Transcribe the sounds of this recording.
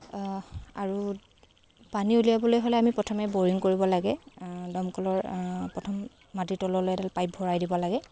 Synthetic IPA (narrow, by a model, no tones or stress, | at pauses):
aɹu | paniulijabɔlojɦolɛamipɹɔtʰɔmɛboɹiŋkoɹibɔlaɡɛdɔmkɔlɔɹpɹɔtʰɔmː | atitɔlɔlojɛtalpajp̚bʱɔɹajdibɔlaɡɛ